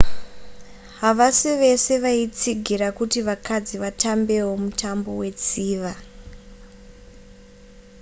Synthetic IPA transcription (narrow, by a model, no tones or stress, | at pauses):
ɦaʋasiʋe̞se̞ʋait͡siɡʱirakutiʋakʰad͡ziʋatambe̞womutʰambo̞we̞t͡siːʋa